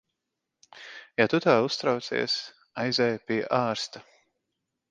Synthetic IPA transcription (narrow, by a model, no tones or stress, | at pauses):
jat̪ut̪aːust̪ɾawt̪sḭɛs | ajzɛːjpʲiɛʔaːɾst̪a